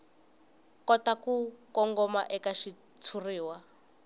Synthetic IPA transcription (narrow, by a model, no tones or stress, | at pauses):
kɔtakukɔŋɡɔma̰ʔɛkaʃi | t͡sʰuriːwa